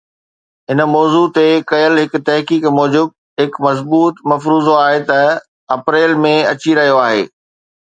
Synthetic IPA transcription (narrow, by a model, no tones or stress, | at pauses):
ɦɪnmɔːzut̪ekɐjəlɦɪkt̪ɐɦkiːkmɔːd͡ʑɪb̚ | ɦɪkmɐzbuːt̪mɐfɾuːzoaːɦet̪ɐ | ɐpɾeːlmẽɐt͡ɕiɾɐɦijoaːɦḛː